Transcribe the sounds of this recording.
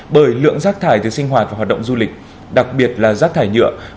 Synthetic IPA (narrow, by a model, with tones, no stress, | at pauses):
ɓəː˧˩jlɨ̰˧˨əŋzaː˦˥k̚t̪ʰaː˧˩jt̪ʰɨ˨˩sï˧ŋ̟ɦwaː˨˩t̚va˨˩waː˨˩tɗə˧˨wŋ͡mzu˧lï˨˩k̟̚ | ɗa˨˩k̚ɓi˨˩ət̚laː˨˩zaː˦˥t̪ʰaː˧˩jɲɨ̰˧˨ə